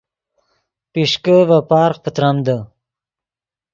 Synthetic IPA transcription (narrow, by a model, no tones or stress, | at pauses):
piʂkəvapɑːɾq̚pət̪ɾamd̪ə